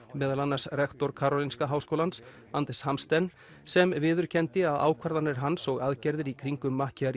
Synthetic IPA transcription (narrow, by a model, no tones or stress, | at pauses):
mɛːðalanːaɾ̥srɛxt̪ɔɾkʰaːɾɔlinskaɦaːwskowlans | ant̪ɾɛshamst̪ɛnː | sɛmvɪːðʏɾ̥cʰɛnt̪ɪaða̰ːwkʰvaɾðanːɪɾ̥ɦansɔɣaðcɛɾðɪɾikʰɾiŋkʏmːahcɪaɾ